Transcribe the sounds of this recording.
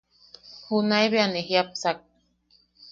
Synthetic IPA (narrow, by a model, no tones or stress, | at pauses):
hunajβeaneɦiap̚sak̚